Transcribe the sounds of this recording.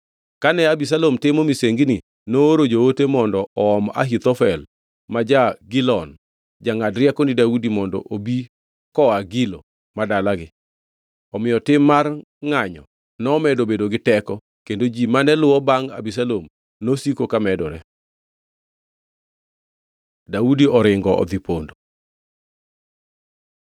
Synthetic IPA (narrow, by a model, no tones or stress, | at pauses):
kanɛabis̬alomtɪmomiseŋɡni | noɾod͡ʒowotemɔndɔɔɔma̰ɦit̪ɔfɛl | mad͡ʒaɡɪlɔn | d͡ʒaŋadɾɪɛkɔnidaudimɔndɔ̰ʔobi | kɔaɡɪlo | madalaɡɪ | ɔmɪjɔtɪmːar | ŋaɲɔ | nɔːmɛdobedoɡɪtɛkɔ | kendod͡ʒimanɛlʊwɔbaŋa̰bisalom | nosikokamɛdɔɾɛ | daudiɔɾɪŋɡɔɔ̰d̪ipondo